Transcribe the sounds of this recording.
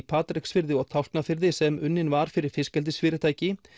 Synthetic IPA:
pʰaːt̪ɾɪksfɪɾðɪɔɣt̪ʰawht̪nafɪɾðɪsɛmʏnːɪnvaɾ̥fɪɾɪɾ̥fɪskɛlt̪̬ɪsfɪːɾɪt̪ʰaːjcɪ

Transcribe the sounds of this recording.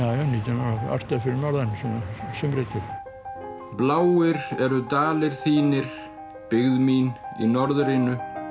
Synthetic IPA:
aːjaniːt̪anaaa̰ɾst̪afɪɾɪɾnɔɾðansinasʏmɾɪt̪ʰɪɾ | plaːwɪɾɛɾʏt̪aːlɪɾ̥θiːnɪɾ̥ | pɪɣðmiːnḭnɔɾðɾɪnʏ

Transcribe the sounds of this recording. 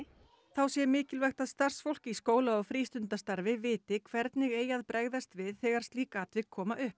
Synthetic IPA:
θawsjɛmɪːcɪlvaxt̪aðst̪ar̥sfowl̥cɪiskoːwlaɔɣfɾiːst̪ʏnt̪ast̪aɾvɪvɪːt̪ɪkʰvɛɾt̪nɪɣeːjaðpɾɛɣðast̪vɪðθɛɣaɾ̥st̪liːkaːt̪vɪkʰːɔːmaʔʏhp

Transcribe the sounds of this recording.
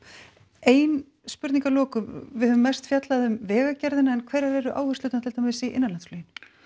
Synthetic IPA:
eːjn | spʏɾt̪niŋkalɔːkʏvɪhœvʏmːɛrst̪fjat̪laðʏmvɛːɣacɛɾðɪnaɛnkʰvɛjɾavɛːɾʏʔa̰ːwhʏɾsʏːt̪nt̪ʰɪlt̪ʰamaɪsiʔɪ̰nːanlant̪flœːjɪn

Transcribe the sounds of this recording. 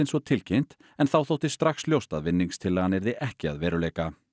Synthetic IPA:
ɪnsvɔt̪ʰɪlcʰejm̥t̪ | ɛnθawθowht̪ɪst̪ɾaxsljowst̪a̰ðvɪnːiŋst̪ʰɪlːaɣanːɛɾðɪʔɛhcɪa̰ðvɛːɾʏleːjka

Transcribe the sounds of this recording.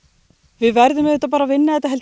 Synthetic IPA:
vɪðvɛɾðʏmɛðʏht̪apaːɾavɪnːaðɛt̪aɦɛlt

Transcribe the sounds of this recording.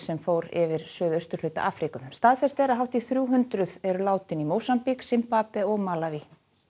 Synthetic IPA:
sɛmfoːwɾɪvɪɾ̥sœːðœst̪ʏɾ̥lʏɥt̪a̰ʔaːfɾikʏmst̪aːðfɛst̪ɛɾaɦawht̪iθɾjuːɦʏnt̪ɾʏðɛɾʏlaːwt̪ɪnimoːwsampiksɪmpapɛɔɣmaːlavi

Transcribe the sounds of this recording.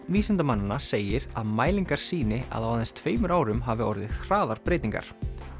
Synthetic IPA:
viːsɪnt̪amanːanaseːjɪɾa̰ðmaːjliŋkaɾ̥siːnɪa̰ðawaðɛnst̪ʰveːjmʏɾaːwɾʏmɦavɪɔɾðɪðhɾaːðaɾ̥pɾeːjt̪niŋka̰ɾ̥

